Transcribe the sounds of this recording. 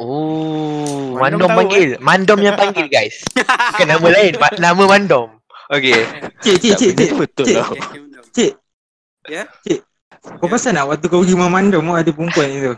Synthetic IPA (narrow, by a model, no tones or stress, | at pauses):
o | mãndɔmpaŋɡɪlmandɔmjaŋpaŋɡilɡajskanamə̃laiɪnmanamə̃mandɔm | oket͡ʃeʔt͡ʃet͡ʃeʔt͡ʃt̪t͡ʃe | t͡ʃeʔ | t͡ʃeʔ | kopasanaʔwak̚t̪̬ukaɡimamandɔmaʔadup̬uŋkuanit̪u